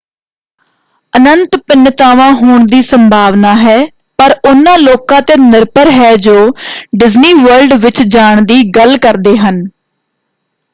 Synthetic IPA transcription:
ənənt̪pɪnːət̪aːʋãːɦoːɳd̪iːsəmbʱaːʋnaːɦɛː | pəɾʊnːãːloːkãːt̪eːnɪɾpəɾɦɛːd͡ʒoːɖɪzniːʋəɾlɖʋɪt͡ʃd͡ʒaːɳd̪iːɡəlkəɾd̪eːɦən

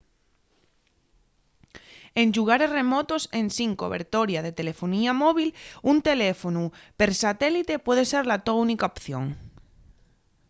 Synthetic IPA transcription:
e̞nʃuɣ̞aɾe̞zre̞mot̪osẽ̞nsiŋkoβḛɾt̪oɾjað̞e̞t̪e̞le̞foniamoβ̞ilunt̪e̞lefonupe̞ɾsat̪elit̪e̞pwe̞ð̞ese̞ɾlat̪ounikaopθjõ̞̰ŋ

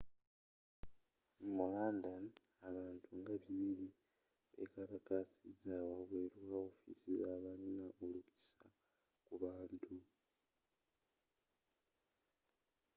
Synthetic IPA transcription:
mumuɣaːnda | aβaːntʰuŋɡaβiβili | βḛkaɾakasizawaβweːɾwao̞fḭsizaβalinaʔolukisa | kuβaːntʰu

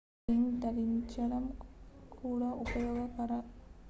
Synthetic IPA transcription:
ind̪ɐɾiɲt͡ʃɐɽɐmkʰuːɽɐʔupɐjoːɡɐkɐɾɐ

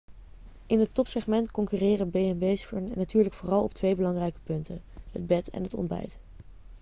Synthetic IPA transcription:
ʔɪnɦətɔpsɛχmɛntkɔŋkyːrɪːrəbejɛnbejsfɔɹnnatyːɹləkfʊːrɑlˠɔp̚tʋejbəlɑŋrɛjkə̥pɵntəɦə̰d̚bɛtɛ̰nɦətɔ̰nbɛ̰jt

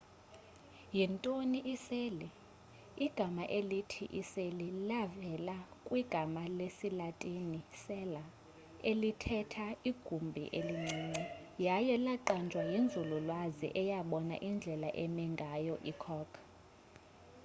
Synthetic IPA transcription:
jintʼoniʔiseli | iɡ̥ʱamaʔelitʰḭʔiselilavɛlakʼwiɡ̥ʱamalesilatʼinisɛla | elitʰɛtʰaiɡ̥ʱumbʱḭʔeliŋ͡ǀiːŋ͡ǀɛjajɛlaǃand͡ʒʱwajind͡zʱululwazḭʔɛjaɓɔna̰ʔind͡ɮʱɛlaʔɛmɛŋɡʱajɔʔikʰɔkʰ

